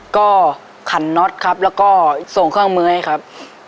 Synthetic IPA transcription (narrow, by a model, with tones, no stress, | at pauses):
kɔː˥˩ | kʰa˨˩˦nːɔ˦˥t̪̚kʰa˦˥p̚lɛː˦˧˥wkɔː˥˩so˨˩ŋkʰɯː˥˩˨ŋmɯ˧˥˦jkʰa˦˥p̚